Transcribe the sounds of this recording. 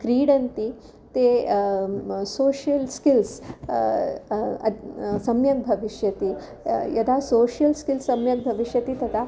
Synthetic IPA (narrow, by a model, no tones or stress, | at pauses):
kɾiːɽɐnt̪i | t̪e | soːʃjɐlskils | ɐ̰sɐmjɐɡ̚bʱɐʋiʃjɐt̪iː | jɐd̪asoːʃjɐlskilsɐmjɐɡ̚bʱɐʋiʂjɐt̪iːt̪ɐt̪ʰa